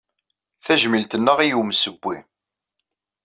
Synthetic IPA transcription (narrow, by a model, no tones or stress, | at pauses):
θæʒmilt̪ənːəʁijumsəɡʷːi